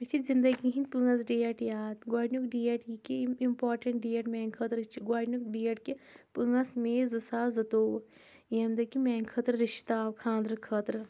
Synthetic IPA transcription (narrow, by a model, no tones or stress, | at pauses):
t͡ʃʰizind̪ɐɡiɦĩnpɨŋɡɐsɖieʈjaːd̪ɡaːɖnukɖieːʈikeimpaːɾʈɐɳʈɖiːeʈmɛːŋɡkʰɐt̪ɾt͡ʃiɡwaːɖnukɖiːeʈkepɨŋɡɐsmẽːzɐsaːzɐt̪oːw | iɐmd̪ɐkimɛːŋɡkʰət̪ɾɾiʃt̪aːwkʰãːnd̪ɾkʰɐt̪ɾ